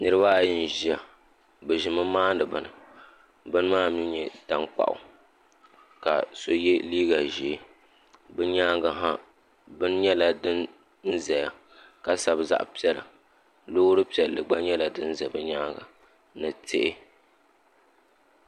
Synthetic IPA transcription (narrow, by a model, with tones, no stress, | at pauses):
nɨ˦ɾɨ˦ba˦˨ji˦n˨ʒi˦a˨ | bɨ˨ʒi˨mɨ˦maː˦n˦dɨ˨bɨ˨nɨ̰˨ | bɨ˦n˦maː˦mi˦ɲɛ˨ta˦ŋk͡pa̰˨ʔʊ̰˨ | ka̰˨so˦jɛ˦liː˦ɡa˨ʒe˨˦ | bɨ˦ɲaː˦ɡa˨ɦa˦ | bɨ˦n˦ɲɛ˦la˨dɨ˦n | n̩˦zɛ˨ja˨ | ka˨sa˨bza̰˨ʔpi˦ɛ˦˨lɨ̰˨ | loː˦ɾɨ˦pi˨˦ɛ˨lːɨ˨ɡ͡ba˦ɲɛ˦la˨dɨ˦n̩˦zɛ˨bɨ˦ɲaː˦ɡa̰˨ | nɨ˨tʰḛ˦ʔɪ˦